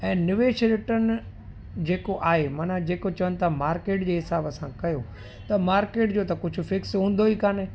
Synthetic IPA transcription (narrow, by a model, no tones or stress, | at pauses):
ɛ̃ːnɪʋeːʃɾɪʈən | d͡ʑeːkoʔaːɦemɐnad͡ʑeːkot͡ɕɐʋənɪ̆t̪ʰamaːɾkeːʈd͡ʑeːɦɪsaːbəsãkɐjo | t̪ɐmaːɾkeːʈd͡ʑoːt̪ɐkʊd͡ʑʱʊ̆fɪksɦũːn̆d̪oikaːne